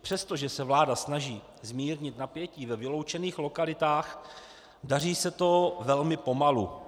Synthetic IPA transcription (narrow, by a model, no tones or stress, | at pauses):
pr̥ɛst̪o̞ʒɛsɛvlaːdasnaʒiː | zmiːɾɲɪt̪napjɛciːvɛvɪlo̞wt͡ʃɛniːxlo̞kalɪt̪aːx | dar̝iːsɛt̪o̞vɛlmɪpo̞malṵ